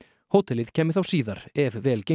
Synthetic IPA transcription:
hoːwt̪ɛlɪð̥cʰɛːmɪ̥ɾ̥θawsiːðaɾɛvvɛːlce

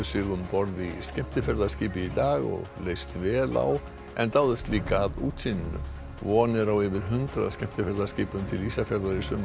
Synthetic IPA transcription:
sʏɣðʏmpɔɾðiscɛm̥t̪ɪfɛɾðaɾ̥skciːpɪit̪aːɣɔ̰ɣleːjst̪vɛːla̰w | ɛ̰nt̪aːwðɛst̪liːkaðuːt̪sinɪnʏ̰m | vɔːnɪɾawɪvɪɾ̥ɦʏnt̪ɾa̰ðscɛm̥t̪ɪfɛɾðḁsciːpʏmt̪ʰɪlisafjɛɾðaɾɪsʏn

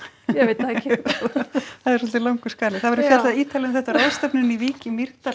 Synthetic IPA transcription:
jɛet̪ | aðɛɾsɔlt̪ɪlawŋkʏskaːlɪθaðvɛɾɪfjɛaðiːt̪alimθɛht̪aɾowst̪ɛpnɪniviːcɪmir̥t̪a

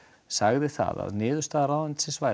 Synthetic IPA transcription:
saɣðɪθa̰ða̰ðnɪːðʏst̪aːðaɾawðant̪sɪsvaj

